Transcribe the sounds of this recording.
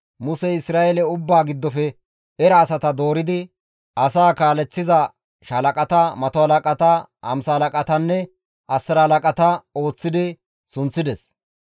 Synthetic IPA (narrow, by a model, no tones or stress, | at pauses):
mʊsɛɪsɾaːelɛʊbːaːɡɪd̪ːɔfɛ | ɛɾɐːsɐt̪ɐd̪oːɾɪd̪ɪ | ɐsaːkaːlɛt͡sːɪzɐ | ʃɐlɐkʼɐt̪ɐmɐt̪ɔhɐlɐkʼɐt̪ɐʔɐ̰msɐhɐlɐkʼɐt̪ɐnːɛ | ɐsːɐɾɐhɐlɐkʼɐt̪ɐo̞ːt͡sːɪd̪ɪ | sʊnt͡sːɪd̪ɛs